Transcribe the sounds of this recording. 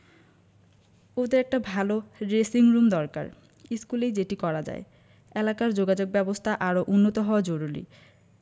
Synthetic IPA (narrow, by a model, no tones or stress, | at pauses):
od̪eɾɛk̚ʈabʱaloɾesiŋɾumd̪ɔɾka̰ɾ | iskulejd͡ʑeʈikɔɾad͡ʑa̰e | elakaɾd͡ʑoɡad͡ʑoɡ̚bɛbost̪ʰaʔaɾoʔunːot̪oɦɔad͡ʑoɾuɾḭ